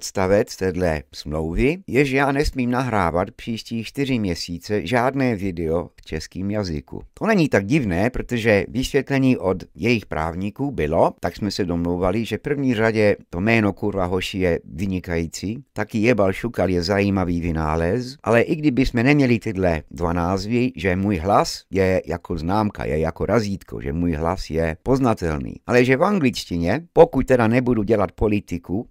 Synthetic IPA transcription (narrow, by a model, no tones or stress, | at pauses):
t̪st̪avɛt͡st̪ɛːdlɛ̰smlowvɪjɛʒɛjaːnɛsmiːmnaɦɾaːvat̪pr̥iːʃciːt͡ʃt̪ɪr̝ɪmɲɛsiːt͡sɛʒaːdnɛːvɪdɛoft͡ʃɛskiːmjazɪ̰kṵt̪onɛɲiːt̪aɡ̚ɟɪvnɛːpɾot̪oʒɛvɪsvʲjɛt̪lɛɲiːʔod̪jɛjɪxpɾa̰ːvɲikuːbɪlot̪aksmɛsɛdomlowvalɪʒɛfpr̩vɲiːraɟɛt̪omɛːnokuɾvaɦoʃijɛʋiɲikajiːt͡sit̪akiːjɛbalʃukaljɛzaiːmaʋiːʋinaːlɛzʔa̰lɛʔiɡd̪ibismɛɲɛmɲɛlit̪ɛd̪lɛd̪ʋanaːzʋiʒɛmuːjɦlasjɛja̰kʰɔznaːmka̰jɛ̰jakɔɾaziːt̪kʰɔ̰ʒɛ̰muːjɦlasjɛpɔznat̪ɛlnḭːʔalɛʒɛvaŋɡlit͡ʃciɲɛpɔkuc̚t̪ɛd̪aɲɛbud̪uːɟɛlac̚pɔlit̪iku